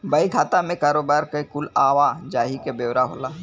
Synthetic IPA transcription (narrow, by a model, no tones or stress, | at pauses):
bɐikʰaːt̪amẽkaːɾoːbaːɾkekʊlaːʋad͡ʒaːɦikebeːwɾaɦoːlaː